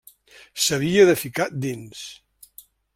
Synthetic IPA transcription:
səβiəðəfikat̪̚d̪ins

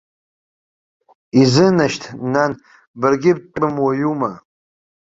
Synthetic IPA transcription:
izɨnaʃtʰnan | bɨrɡʲɪb̚t͡ʃʼɨmwajuma

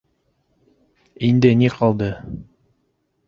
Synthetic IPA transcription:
ind̪ɘniqʰɑlˠd̪ɤ

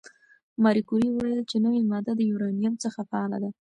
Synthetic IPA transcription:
mɑɾikuɾiwəwajəlt͡ʃenəwimɑd̪ad̪əjuɾɑnijamt͡səxafaɑla̰d̪a

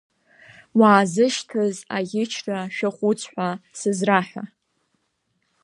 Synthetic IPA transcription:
waːzɨʃtʰɨzaɡʲɪt͡ʃʰraʃᶣɪχʷʊt͡sʰʼħʷasɨzraħʷᶣa

